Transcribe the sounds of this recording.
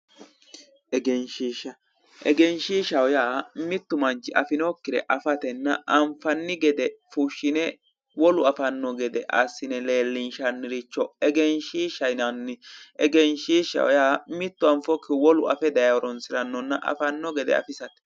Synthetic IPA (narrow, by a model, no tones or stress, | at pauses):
ɛɡɛnʃiʃɐ | ʔɛɡɛnʃiʃɐwjaːmɪt̪ːʊmɐnt͡ʃɪʔɐfɪnoːkːɪd̪ɛ̰ʔɐfɐt̪ɛnːɐʔɐmfɐnːɪɡɛd̪ɛfuʃːɪnɛ | wɔlʊɐfɐnːɔɡɛd̪ɛʔɐ̰sːɪnɛle̞ːlːɪnʃɐnːɪɾɪt͡ʃːɔɛɡɛnʃiːʃɐjnɐnːɪʔɛɡɛnʃiːʃɐ̰wjaːmɪt̪ːʊɐɱfɔkːɪwɔlʊɐfɛd̪ɐjɐɔɾɔnsɪɾɐnːɔnːɐʔɐ̰fɐnːɔɡɛd̪ɛ̰ɐ̰fɪsɐt̪ɛ̥